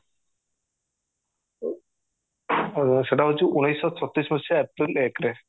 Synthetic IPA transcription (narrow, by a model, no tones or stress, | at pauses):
ʃeʈaɦot͡ɕuʔunejsːɔt͡ɕʰɔt̪ːɾismɔt͡ɕʰaɛpɾilekɾe